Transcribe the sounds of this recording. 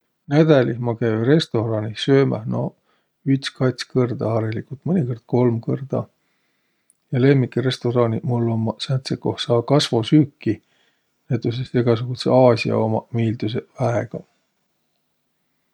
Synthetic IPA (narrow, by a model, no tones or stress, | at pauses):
næd̪̥ælimɑkæjre̞st̪o̞ɾɑnʲisø̞ːmæ̰no | yt̪skɑt̪ʲskɤrd̪ɑɑɾelikult̪mɤnʲiko̞rd̪̥̚ko̞lmkɤrd̪̥ɑ̰ | jɑle̞mːikːire̞st̪o̞ɾɑnʲimulːo̞mːɑsænt̪seko̞hsɑːkɑsvo̞syːkːi | net̪ːˑusest̪eɡ̥ɑs̬uɡ̥ut̪sḛɑːsʲiɑ̰o̞mɑmiːld̪us̬e̞væeɡ̥ɑ